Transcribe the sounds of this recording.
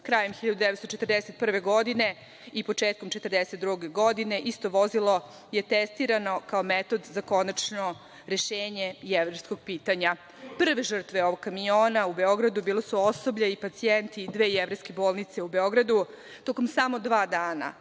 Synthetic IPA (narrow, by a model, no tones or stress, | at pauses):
kɾaːjemxiʎad̪ud̪eʋt̪st̪ot͡ʃet̪ərd̪eset̪̚pr̩ʋe̞ɡo̞d̪ine̞ | ipo̞t͡ʂeːt̪̚komt͡ʃe̞t̪ərd̪eset̪̚d̪ɾuɡe̞ɡod̪ine̞ʔist̪o̞ʋo̞zilˠo̞ | jet̪est̪iɾano̞kaomet̪o̞d̪zako̞nat͡ʃno̞ | ɾeʃeːɲe̞jeʋɾejsko̞ɡ̚piːt̪aɲa | pr̩ʋeʒr̩t̪ʋeo̞ʋo̞ɡ̚kːamijoːnaube̞o̞ɡɾad̪ubiːlˠosuosobʎaipat̪sient̪id̪ʋe̞ːjeʋɾejskeboːlˠnit̪se̞ube̞o̞ɡɾad̪u | t̪okomsamo̞d̪ʋaːd̪aːna̰